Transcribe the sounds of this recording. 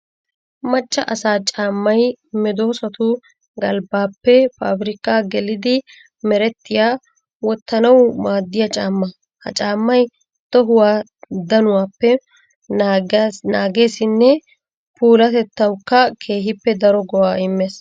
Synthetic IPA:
mɐt͡ʃʼːɐʔɐsaːt͡ʃʼaːmːɐjmɛd̪oːsɐt̪ʊ | ɡɐlbaːpːɛpaːbɾɪkaːɡɛlɪd̪ɪ | mɛɾɛt̪ːɪjaː | wɔt̪ːɐnɐwmaːd̪ːɪjɐt͡ʃʼaːmːɐ | hɐ̰t͡ʃʼaːmːɐj | t̪ɔɦʊwaː | d̪ɐnʊwaːpːɛ | naːɡe̞ːsɪnːɛ | puːlɐt̪ɛt̪ːɐwkːɐkʰe̞ːɦɪpːɛd̪ɐɾɔɡɔwaːɪmːeːs

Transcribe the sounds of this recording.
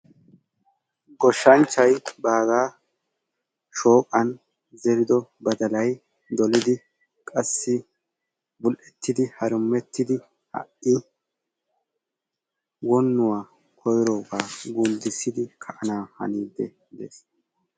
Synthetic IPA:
ɡɔʃːɐnt͡ʃːɐjbaːɡaː | ʃo̞ːkʼɐn | zɛɾɪd̪ɔbɐd̪ɐlɐj | d̪ɔlɪd̪ɪ | kʼɐsːɪ | bʊlʔɛt̪ːɪd̪ɪhɐɾʊmːɛt̪ːɪd̪ɪ | hɐ̰ʔɪ | wɔnːʊwaː | kʰɔjɾoːbaːɡʊnd̪ɪsːɪd̪ɪkʰɐʔɐnaːhɐ̰niːd̪ːɛ | ɪd̪ḛːs

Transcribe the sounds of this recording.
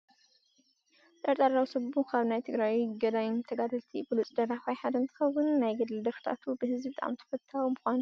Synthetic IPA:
t̪ʼɐɾt̪ʼaɾawsɐbukʰaβnajt̪ʰɨɡɾajɡɐd̪ajɪnt̪ʰɐɡad̪ɐlt̪ʰibɨlut͡sʼd̪ɐɾaxajħad̪ɐnt̪ʰɨ̥xɐwːʊnːajɡɐd̪ld̪ɐft̪ʰa̰t̪ʰubɨhɨzbit̪ʼaʔa̰mt̪ʰɐ̥fɐt̪ʰːawumɨxʷan

